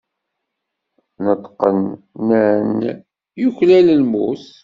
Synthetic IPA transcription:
nət̪ːˤqənː | æn | juçlæləlmuθ

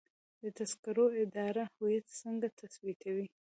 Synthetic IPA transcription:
d̪ət̪askaɾoɪd̪ɑɾahʊjat̪səŋɡat̪ʰaswit̪ʰawi

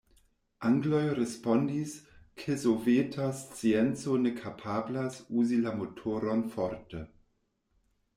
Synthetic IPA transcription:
ʔaŋɡlojɾespondiskʰezovetʰast͡sient͡sonekʰapʰablasuzilamotʰoɾonfoɾte

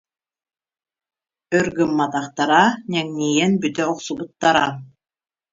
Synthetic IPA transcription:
œɾɡɯmːat̪ɑχt̪aɾanʲɛŋnʲijɛnbyt̪œɔqsubut̪ːaɾa

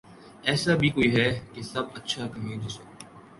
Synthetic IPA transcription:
ɛːsabʱiːkoːiːɦɛːkesɐbətːʃʰakɐɦẽːd͡ʒʊsoː

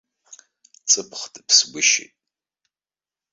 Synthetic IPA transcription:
t͡sʼɨpʰχtɨpʰsɡʷʊʃḭtʼ

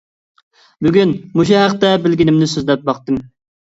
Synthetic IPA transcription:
byɡʲynmuʃ̬uɦæqt̪ɛbɪlɡʲinɪmnɪsøzlɛp̚bɑqt̪ɨm

